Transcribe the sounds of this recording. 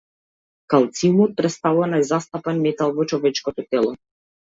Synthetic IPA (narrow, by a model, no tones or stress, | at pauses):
kalˠt̪simɔt̪̚pɾɛst̪alˠɔnajzast̪apanmɛt̪alˠvɔt͡ʃɔvɛt͡ʃkɔt̪ɔt̪ɛlˠɔ